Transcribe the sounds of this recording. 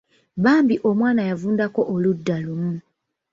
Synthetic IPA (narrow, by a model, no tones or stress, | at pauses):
βaːmbiʔo̞mwaːnajavuːndako̞ʔoludːalumu